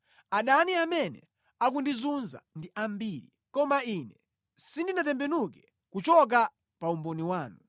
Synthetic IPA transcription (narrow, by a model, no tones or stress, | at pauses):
aɗaniamɛnɛ̰ | ak̬undizunza̰ndiʔambiɾḭ | kɔmainɛ | sindinatɛmbɛnukɛ | kut͡ʃɔk̬a | paumbɔniwaːnu